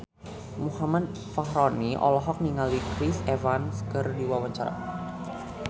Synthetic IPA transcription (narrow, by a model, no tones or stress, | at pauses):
muhamat̪̚ | faɦɾɔniʔɔ̰lɔɦɔk̚niŋalikɾisɛvanskərdiwawaɲt͡ʃaɾa̰